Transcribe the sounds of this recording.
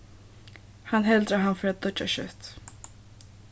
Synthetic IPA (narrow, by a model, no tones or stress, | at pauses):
hanɦɛld̪ɾaɦanfɔɾat̪̚d̪ɔt͡ʃːa̰ʃœ̰t̪